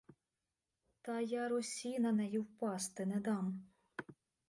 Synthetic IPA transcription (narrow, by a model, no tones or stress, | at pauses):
t̪ɑjaɾʊsʲinɐnɛjiwpɑst̪ɨnɛd̪ɑm